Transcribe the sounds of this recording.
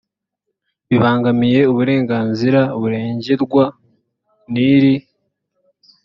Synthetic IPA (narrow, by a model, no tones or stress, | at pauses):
βiβaːŋɡamije̞uβuɾe̞ːŋɡaːnziɾaβuɾe̞ːɲɟeɾɡwa | niɾi